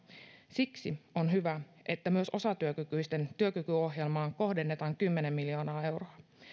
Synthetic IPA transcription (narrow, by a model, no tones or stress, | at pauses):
siksio̞nɦyʋæ | ʔe̞t̪ːæmyø̞so̞sɑt̪yøkykyjst̪e̞nt̪yøkykyo̞ɦje̞lmɑːŋko̞hde̞nːe̞t̪ɑːŋkymːe̞ne̞mːiljo̞ːnɑːe̞wroɑ